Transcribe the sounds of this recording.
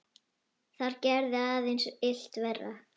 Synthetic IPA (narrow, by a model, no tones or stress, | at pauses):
θaɾcɛɾðɪaːðɪnsɪl̥t̪vɛrːa̰